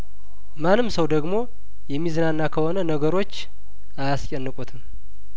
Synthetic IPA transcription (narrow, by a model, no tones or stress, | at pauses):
manːɨmsəwd̪əɡmo̞ | jɛmːizənanːakʰəho̞nənəɡəɾo̞t͡ʃː | ajaskʼɛnːɨkʼut̪ʰɨm